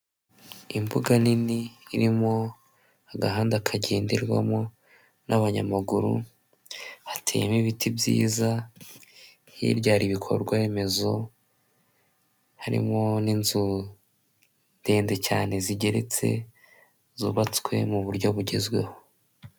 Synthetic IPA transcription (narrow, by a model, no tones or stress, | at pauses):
imbuɡaniniːɾimo̞ | aɡaɦaːndakʰaɟe̞ːndiɾɡwa̰mo | nʔaβaɲamaɡuɾṵ | hatʰḛːmiβitʰibjḭːza | hḭɾɟaːɾiβikʰo̞̰ɾɡwae̞me̞zo̞ | haɾḭmo̞ninzu | nde̞ːndecaːne̞ziɟe̞ɾe̞t͡se̞̰ | zuːβat͡skwe̞̰muβuɾɟo̞βuɟezɡwe̞̰ho